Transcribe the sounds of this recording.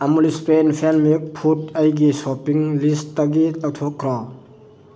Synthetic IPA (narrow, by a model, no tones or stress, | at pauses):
amulispenpʰanmik̚pʰutajɡisɔpiŋlistːaɡilawtʰɔkʰːɾɔ